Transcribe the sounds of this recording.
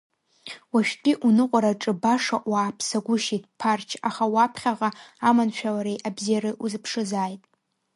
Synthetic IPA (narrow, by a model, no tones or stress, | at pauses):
waʃᶣtʲʼiʔunɨqʷʼaɾaʈ͡ʂʼɨbaʂaʔwaːpʰsaɡʷʊʃitʼpʰart͡ʃʰaχawapʰχʲaʁaamanʃᶣalaɾejʔabzijaɾɨʔuzɨpʰʂɨzaːjtʼ